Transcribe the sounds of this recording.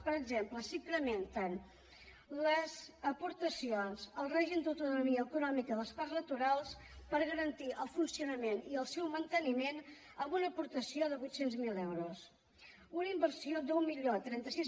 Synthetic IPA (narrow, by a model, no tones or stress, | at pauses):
pəɾəɡzempləsiŋkɾəment̪ən | ləzəpuɾt̪əsionzəlˠreʒimd̪əwt̪unumiəːkunɔmikəðəsparznət̪uɾalˠspəɾɣəɾənt̪iʔəlˠfunsiunəmeniəlˠsɛwmənt̪ənimen | əmbunəpuɾt̪əsioðəβujt̪senzmilɛwɾus | unəimbəɾsiod̪umːiʎot̪ɾɛnt̪əsiz